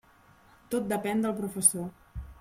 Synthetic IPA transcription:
t̪ot̪̚d̪əpɛnd̪əlˠpɾufəso

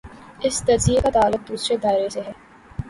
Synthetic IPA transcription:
ɪst̪ɐɾziekat̪aːlːʊb̚d̪uːsɾed̪aːɪɾeseɦɛː

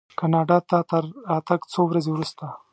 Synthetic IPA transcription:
kanɑɖɑt̪at̪aɾat̪akt͡sowɾazewɾust̪a

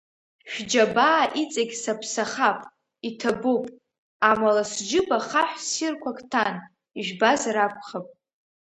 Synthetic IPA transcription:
ʃᶣd͡ʒabaːʔit͡sʼaɡʲsapʰsaχapʼ | itʰabupʼ | amalasd͡ʒɪbaχaħʷsirkʷʰakʰʼtʰan | iʒᶣbazaɾakʷʰχapʼ

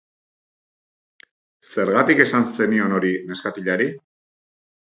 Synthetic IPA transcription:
se̞ɾɣat̪ike̞sanse̞nio̞no̞ɾine̞skat̪iʎaɾi

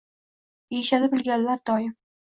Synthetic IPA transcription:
ejʃalɪbɪlˠɡʲanlaɾd̪̥ɒjɪm

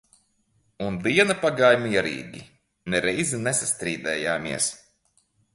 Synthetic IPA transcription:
und̪iɛnapaɡaːjmiɛɾḭːɡʲḭ | nɛɾɛjzinesast̪ɾiːd̪ɛːjaːmiɛs

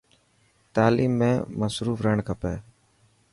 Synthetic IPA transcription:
t̪aːliːmːẽːməsɾuːfɾəɳkʰəpeː

